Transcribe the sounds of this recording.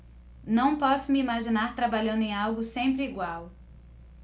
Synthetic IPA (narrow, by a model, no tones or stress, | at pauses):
nɐ̃w̃pɔsʊmɪimaʒinaɾt̪ɾabaʎɐ̃nd̪ʊẽawɡʊsẽmpɾɪiɡwaw